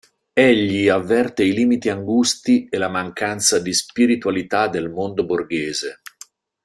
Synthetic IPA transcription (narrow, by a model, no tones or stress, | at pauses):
eʎːiavːɛrt̪eiliːmit̪iaŋɡust̪ielamaŋkant̪sad̪ispiɾit̪walit̪ad̪ːelmond̪oborɡeːze